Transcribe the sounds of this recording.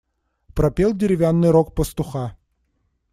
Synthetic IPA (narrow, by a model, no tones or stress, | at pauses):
pɾɐpʲelˠdʲɪɾʲɪvʲanːɨjɾok̚pəst̪ʊxa